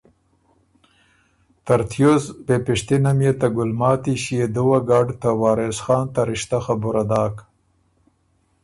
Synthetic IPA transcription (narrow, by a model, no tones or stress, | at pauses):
t̪aɾt̪ʰjozbepɪʂt̪inamjet̪aɡʊlmɑːt̪iɕijed̪uwaɡɑːɖt̪awɑːɾesxɑːnt̪aɾɪʃt̪axabʊɾad̪ɑːk